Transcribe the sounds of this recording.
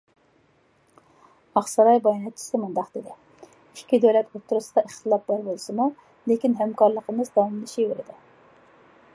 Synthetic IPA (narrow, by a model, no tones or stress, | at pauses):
ɑχsɑɾɑjbɑjnɛt̪t͡ʃʰi̥sɪmund̪ɑqd̪ɪd̪ɪ | i̥ʃkʲʰːid̪ølɛt̪ot̪ʰːuɾusɨd̪ɑiχt̪ʰɨlˠɑp̚bɑɾbolˠsɨmu | lekʲinɦɛmkɑɾlˠəqəmɨzd̪ɑwɑmlˠɨʃibeɾɪd̪ɪ